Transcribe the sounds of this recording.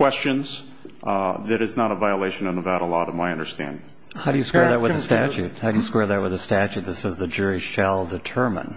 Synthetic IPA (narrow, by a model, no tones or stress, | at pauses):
w̥ɛst͡ʃɨ̃nz̥ | ðɨɾɨznəɾəvaɪəleɪʃɨ̃nə̃nəvæɾl̩ˠɔɾə̃maɪʌ̃ndə˞stæ̰̃nd̥ | haʊɾɨjɨskwɛɹðɨt̚wəððɨstæt͡ʃʉt̚haʊɾɨjɨskwɛɹðɨt̚wəðɨstæt͡ʃʉt̪̚ðɨsɛzðɨd͡ʒʊɹiʃælˠdɨtʰɜ˞mə̰̃n